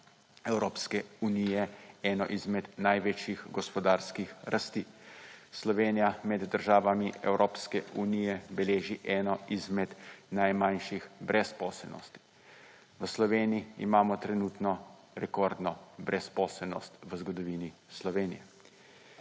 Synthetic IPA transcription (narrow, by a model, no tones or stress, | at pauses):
ɛwɾoːpskɛunijɛɛːnɔʔizmɛd̪najʋet͡ʃjixɡɔspɔd̪aːɾskixɾʔast̪iːslɔʋeːnijamɛd̪ːəɾʒaːʋamiɛ̰wɾʔoːpskɛunijɛbɛleːʒiʔɛːnɔʔizmɛd̪najmanʃixbɾʔɛspɔːsɛlnɔ̰st̪i̥ | ʋəslɔʋeːniḭːmaːmɔt̪ɾɛnuːt̪nɔ | ɾɛkɔɾd̪nɔbɾɛspɔːsɛlnɔst̪ʋəzɡɔd̪ɔʋiːnislɔʋeːnḭjɛ